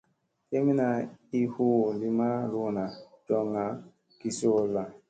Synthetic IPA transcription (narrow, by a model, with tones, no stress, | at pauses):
te˦mi˦na˨i˦hu˦˨li˦ma˦ɾo˦na˨ | d͡ʒɔ˦ŋa˨ | ki˨si˦o˨lːa˨